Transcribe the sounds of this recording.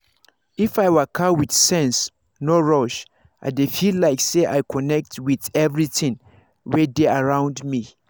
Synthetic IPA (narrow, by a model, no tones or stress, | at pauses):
ifaɪwəkʰawiθsɛ̃ns | nɔɹɔʃ | ʔa̰ɪdefillaɪkseʔajkʰɔnɛk̚twiθɛvɹiθɪ̃ŋ | wɛdeaɹãʊ̃ndmi